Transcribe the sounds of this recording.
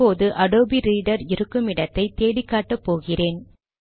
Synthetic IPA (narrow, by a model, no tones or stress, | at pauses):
oːðɯʔɐɽoːbiɾiːɽɐɾɪɾɯkːɯmɪɽɐt̪ːɐɪt̪eːɽɪkːaːʈːɐpːoːɣɪreːn